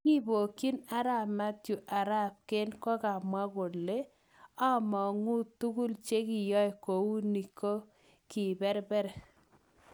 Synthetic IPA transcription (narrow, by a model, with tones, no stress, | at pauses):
ŋi˦bo˨ki˦na˨ɾa˨ma˦tju˨ʔa˨ɾa˦p̚ke˦nkɔ˦ka˨mwa˦ɡo˨lle˦ | ɔ˦mɔ˨ŋu˦tu˦ɡu˦lt͡ʃe˦kɪ˨jɔ˦ɛ˨ko˨wu˦ni˨ko˦ | kɪ˨bɛ˦ɾbɛ˦ɾɛ˨